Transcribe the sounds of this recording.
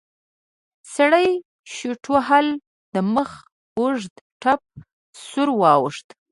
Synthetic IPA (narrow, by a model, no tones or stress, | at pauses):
saɽəj | ʃuʈʰoɦal | d̪̥əməx | uʐd̪ | ʈap̚ | sʊɾwɑwəʂt̪